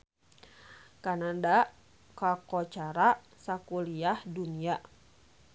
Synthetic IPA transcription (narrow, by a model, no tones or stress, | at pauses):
kanandaʔ | kakɔt͡ʃaɾa | sakuliahdunia